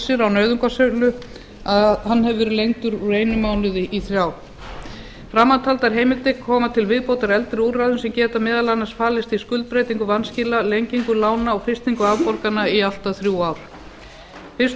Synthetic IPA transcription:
sɪɾawnœɥðʏŋkasœlʏ | ahanːɛvʏvɛːɾʏlejŋt̪ʏɾuɾeːjnʏmaːwnʏðɪʔiθɾjaːw | fɾamːant̪ʰalt̪aɾ̥ɦeːjmɪlt̪ɪkʰɔːmat̪ʰɪlvɪðpowt̪aɾɛlt̪ɾɪuraðʏnsɛmcɛːt̪amɪːðalanːasfaːlɪst̪iskʏlt̪̚pɾejt̪iŋkʏvanscɪlalejɲciŋkʏlaːwnaɔɣfɪst̪iŋkʏavpɔɾkanaial̥t̪aθɾjuaːwɾ̥ | fɪs

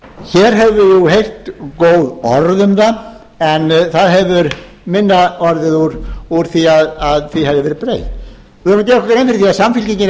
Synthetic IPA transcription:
çɛːɾɦɛvʏjuɦejr̥t̪koːwðɔɾðʏmða | ɛnθaðɦɛvʏɾ | mɪnːaɔɾðɪðuɾuɾ̥θiaðaðθihavðɪvɛːɾɪpɾḛːj̪ | ɪaɾmnat̪c̪ɛːɾɔkkɾejnfɪɾθiaðsamfɪlciɲcɪn

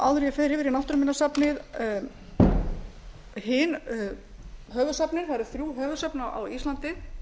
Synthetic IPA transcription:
awðʏɾifɪɾɪvɪɾinawht̪ʏɾmɪnasapnɪð | hɪn | ɦœːvʏsɛpnɪɾ̥θaɾʏθɾjuːɦœːvʏsɛpnaa̰wist̪lant̪ɪ

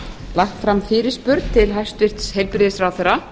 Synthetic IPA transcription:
laxt̪fɾamfɪːɾɪ̥spʏɾt̪t̪ʰɪlɦajst̪vɪr̥t̪shejlpɾɪðsɾaːwθɛɾa

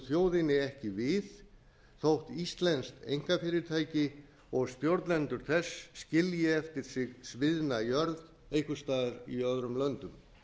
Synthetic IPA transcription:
θjoːwðɪnɪɛhcɪvɪð | θowht̪ist̪lɛnst̪ḛjŋ̥kafɪːɾɪɾt̪ʰaːjcɪ | ɔɣsp̪jowɾt̪lɛnt̪ʏɾ̥θɛsːcɪljɪɛft̪ɪɾ̥sɪɣsvɪðnajœɾð | eːjkʏst̪aːðaɾiœðɾʏmlœnt̪ʏm

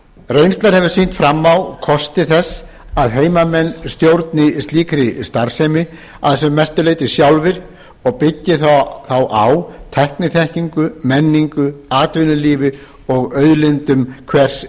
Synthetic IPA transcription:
rejnst̪laɾhɛvʏsin̥t̪fɾamːawkʰɔst̪ɪθɛsː | aðɦeːjmamɛnːst̪jowɾt̪nɪst̪liːkɾɪst̪aɾ̥sejmɪ | aðθɛsɛmːɛst̪ʏlejt̪ɪsjawlvɪɾ̥ | ɔɣpɪcːɪθaθawʔawt̪ʰɛhknɪθɛhciŋkʏmɛnːiŋkʏaːt̪vʏnʏliːvɪ | ɔɣœɥðlɪnt̪ʏmkʰvɛr̥s

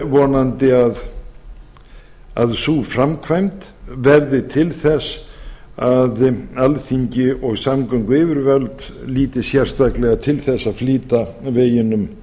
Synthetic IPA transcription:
vɔːnant̪ɪað | a̰ðsufɾamkʰvajmt̪ | vɛɾðɪt̪ʰɪlθɛs | aðalθiɲcɪɔɣsamkœŋkʏɪːvʏɾvœlt̪liːt̪ɪsjɛr̥st̪aklɛɣat̪ʰɪlθɛsːaðfliːt̪aveːjɪnʏm

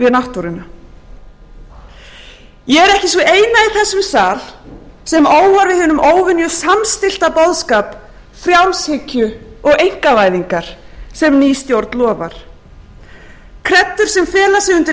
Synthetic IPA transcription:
vɪðnaht̪uɾɪna | jɛɣɛɾɛhcɪsvɔeːjnaiθɛsːʏmsaːlsɛmoːwvaɾvɪðhʏnʏmʔoːwvɪnjʏsamst̪ɪl̥t̪apɔðskaːp | fɾjawnshɪcʏɔɣejŋ̥kavaːjðiŋkaɾ̥sɛmniːst̪jowɾt̪nlɔːva̰ɾ̥ | kʰɾɛt̪ːʏɾ̥sɛmfɛːlasɪɣʏnt̪ɪ

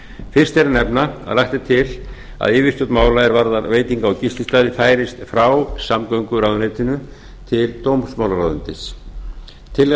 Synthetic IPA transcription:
fɪr̥st̪ɛɾɪnɛpnaa̰ðlajht̪ɪt̪ʰɪl | a̰ðɪːvɪst̪ɔt̪maːwlaɛɾvaɾðaɾveːjt̪iŋkaːwcist̪ɪst̪aːðɪfaːjɾɪst̪fɾawsamkoɥŋkʏɾawðʏnejt̪ɪnʏ | t̪ʰɪlt̪owmsmaːwlaɾaːðʏnt̪ɪs | t̪ʰɪl

